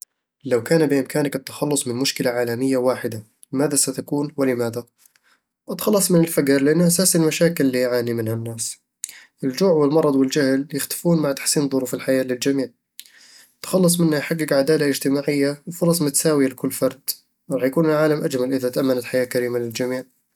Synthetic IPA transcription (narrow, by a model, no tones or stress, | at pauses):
lawkaːnbɪʔɪmkaːnakɪt̪ːḁxɑlːʊsˤmɪnmʊʃkɪlaʕaːlamɪjːawaːħɪd̪a | lɪmaːðasat̪akuːnwɪlɪmaːða | ʔɪt̪xɑlːɑsˤmɪnɪlfaɡɑɾˤlɪʔanːʔasaːsɪlmaʃaːkɪlːiʕaːnimɪnhanːaːs | ʔɪld͡ʒuːʕwɪlmɑɾˤɑd̪ˤwɪld͡ʒahljɪxt̪ɪ̥fuːnmaʕt̪ḁħsiːnðˤʊɾuːfɪlħajaːlɪld͡ʒamiːʕ | t̪ːḁxɑlːɑs̬ˤmɪnːajħaɡːɪɡʕad̪aːlaʔɪd͡ʒt̪ɪmaːʕɪjːawɪfʊɾˤɑsˤmʊt̪saːwɪjalɪkʊlːfɑɾˤd̪ | wɾˤɑːħjakuːnɪlʕaːlamʔad͡ʒmalʔɪðat̪aʔamːanat̪ħajaːkaɾiːmalɪld͡ʒamiːʕ